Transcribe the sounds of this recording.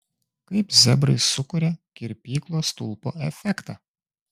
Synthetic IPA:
kɐɪpzʲɛbɾɐɪsʊkʊɾʲɛkʲɪɾʲpʲiːklˠoːst̪ʊlˠpoːɛfʲɛkt̪ɑː

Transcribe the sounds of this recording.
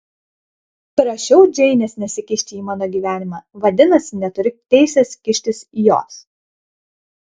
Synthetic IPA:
pɾɐʃʲɛʊd͡ʒʲɛɪnʲɛːsnʲɛsʲɪkʲɪʃʲt̪ʲɪiːmɑːnoːɡʲiːʋʲæːnʲɪmɑːʋɐd̪ʲɪnɐsʲɪnʲɛt̪ʊɾʲɪt̪ʲɛɪsʲɛskʲɪʃʲt̪ʲɪsijo̰ːs

